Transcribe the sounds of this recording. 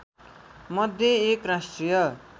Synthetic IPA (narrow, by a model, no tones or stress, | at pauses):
mʌd̪ʱjeekrasʈrijʌ